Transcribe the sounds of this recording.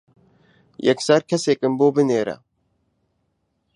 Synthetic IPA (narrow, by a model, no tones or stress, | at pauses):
jɛksaɾkʰɐseːkɨmboːbɨneːɾɐ̰